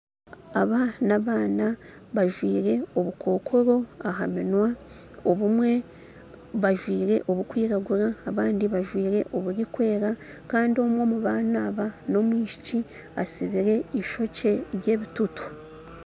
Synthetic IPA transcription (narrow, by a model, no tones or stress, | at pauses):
aβanaβaːna | βaʒwiːɾe̞o̞βukʰo̞ːkʰo̞ɾo̞aɦa̰minwa | o̞βumwe̞ | βaʒwiːɾe̞̰ʔo̞βukwiːɾaɡuɾaːβaːndiβaʒwiːɾe̞ʔo̞βuɾikwe̞ːɾa | kaːndio̞mwo̞ːmuβaːnaβano̞mwiːʃi̥ci | asiβiɾe̞iʃo̞ce̞ɾje̞ːβitutu̥